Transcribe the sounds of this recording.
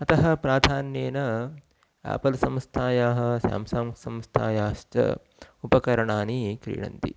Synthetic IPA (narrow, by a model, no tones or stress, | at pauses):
ɐt̪ɐɦɐ̆pɾaːd̪ʱaːnjeːnɐ | a̰ːpɐlɐsɐmst̪ʰaːjaːɦɐ̆sja̰ːmsaːmsɐmst̪ʰaːjaːʃt͡ʃɐ̰ | upɐkɐɾɐɳaːnikɾḭːɳɐ̰nt̪ḭ